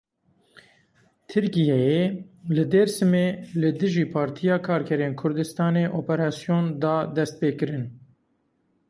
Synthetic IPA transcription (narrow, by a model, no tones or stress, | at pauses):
t̪ʰɨɾkijɛjelɨd̪eɾsɨmeːlɨd̪ɨʒiːpʰɑːɾt̪ʰijɑːkʰɑːɾkʰɛɾeːnkʰʊɾd̪ɨst̪ɑːneːʔoːpɛɾɑːsijoːnd̪ɑːd̪ɛst̪̚peːkɨɾɨn